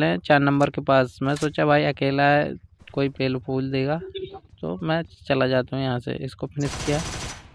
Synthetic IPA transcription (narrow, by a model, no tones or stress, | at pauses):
lɛ̃t͡ʃaːɾnə̃mbəɾkepaːsmɛ̃soːt͡ʃabʱaːiɐkeːlaɦɛ̰ | koːipeːlopʰuːld̪eːɡaːt̪o̰ːmɛ̃ːt͡ʃɐlad͡ʒaːt̪aɦũjɐɦãsḛɪskopʰɪnɪskijaː